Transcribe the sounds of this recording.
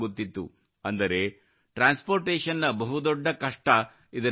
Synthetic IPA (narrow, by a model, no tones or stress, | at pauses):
ɡut̪ːit̪ːṵ | ɐnd̪ɐɾe̞ | ʈɾaːnspoːɾʈeːʂɐnːɐbɐɦud̪ɔɖːɐkɐʂʈɐ | id̪ɐ